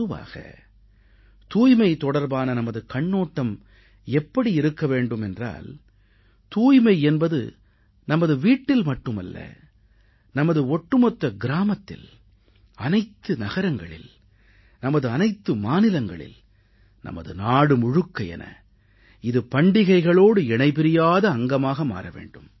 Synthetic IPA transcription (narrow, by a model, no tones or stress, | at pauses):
ɯʋa̰ːɣɐ̰ | t̪uːjmɐɪt̪ɔɽɐɾbaːnɐnɐmɐðɯkɐɳːoːʈːɐm | ɛpːɐɽiɪɾɯkːɐʋeːɳɖɯmɛndra̰ːl | t̪uːjmɐɪɛnbɐðɯ̰ | nɐmɐðɯʋiːʈːɪlmɐʈːɯmɐ̰lːɐ̰ | nɐmɐðɯɔʈːɯmɔt̪ːɐɡɪɾaːmɐt̪ːɪ̰l | ɐnɐɪt̪ːɯnɐɣɐɾɐŋɡɐɭɪ̰l | nɐmɐðɯɐnɐɪt̪ːɯmaːnɪlɐŋɡɐɭɪ̰l | nɐ̰mɐ̰ðɯnaːɽɯmʊɻɯkːɐjɛ̰nʔɐ̰ | ɪðɯpɐɳɖɪɣɐɪɣɐɭoːɽɯɛɳɐɪpɪɾɪjaːðɐːŋɡɐmaːɣɐma̰ːɾɐʋḛːɳɖɯm